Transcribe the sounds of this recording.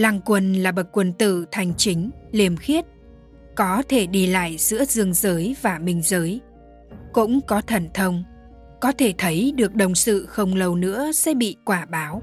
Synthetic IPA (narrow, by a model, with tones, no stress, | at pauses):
la˧ŋkwə˧˩nlaː˨˩ɓə˨˩t̚kwə˧˩nt̪ɨ̰˧˨t̪ʰa˨˩jŋ̟t͡ɕï˨˦ŋ̟li˨˩əmxi˦˥ət̚ | kɔ˨˦t̪ʰe˧˩ɗi˧la̰ː˧˨jz̥ɨ̰˧˥əzɨ˧əŋzəː˨˦jvaː˨˩mï˨˩ŋ̟zəː˨˦j | kʊ̰˧˥ŋ͡mkɔ˨˦t̪ʰə˧˩nt̪ʰə˧wŋ͡m | kɔ˨˦t̪ʰe˧˩t̪ʰə˨˦jɗɨ˨˩ək̚ɗə˨˩wŋ͡msɨ̰˧˨xə˧wŋ͡mlə˧wnɨ̰˧˥əsɛ̰˧˥ɓḭ˧˨kwaː˧˩ɓaː˨˦w